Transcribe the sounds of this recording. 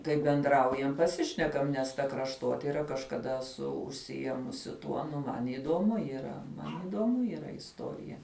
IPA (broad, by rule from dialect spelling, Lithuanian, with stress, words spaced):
kɐɪ bʲɛnˈdrɐʊjɛm pɐˈsʲɪʃʲnʲɛkɐm nʲɛs ˈtɐ krɐʃˈtoːtʲɪrɐ kɐʃkɐˈdɐ ɛsʊ ʊʃʲsʲɪˈjeːmʊsʲɪ ˈtuɔ nʊ ˈmɐn iːduɔmʊ iːˈrɐ ˈmɐn iːduɔˈmʊ iːˈrɐ ɪsˈtoːrʲɪjɛ